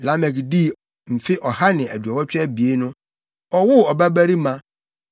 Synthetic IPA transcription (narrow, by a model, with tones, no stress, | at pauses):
la˦mɛ˨kdi˦ | m̩˨fɪ˦ʔɔ˨ha˦nɪ̃˨æ˨du˨a˨wɔ˦t͡ɕᶣɛ˦bi˨e˦nʊ̃˦ | ɔ˨wʊ˦ɔ˨ba˦bæ˦ɾi˦mã˦